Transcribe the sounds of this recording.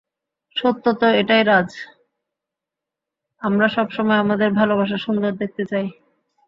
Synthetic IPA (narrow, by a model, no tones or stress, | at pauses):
ʃot̪ːot̪oeʈajɾad͡ʑ | amɾaʃɔbʃɔmɔeamad̪eɾbʱalobʱaʃ̬aʃund̪oɾd̪ek̚t̪et͡ɕaj